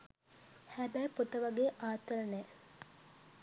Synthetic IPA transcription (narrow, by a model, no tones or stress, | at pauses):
hæbæjpot̪ɐʋɐɡeːʔaːt̪ɐɾɐne